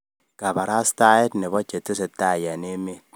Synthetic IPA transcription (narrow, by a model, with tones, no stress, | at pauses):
ka˨ba˨ɾa˦sta˦ɛ˦tnɪ˨bɔ˦t͡ʃːe˨tːɪ˦se˨tːa˦˨ja˨ne˦me˦t̚